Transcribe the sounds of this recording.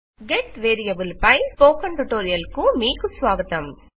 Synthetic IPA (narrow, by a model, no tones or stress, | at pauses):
ɡeʈʋeːɾijɐbulpɐjpoːkɐɳʈuʈoːɾijɐlkumiːkusʋaːɡɐt̪ɐm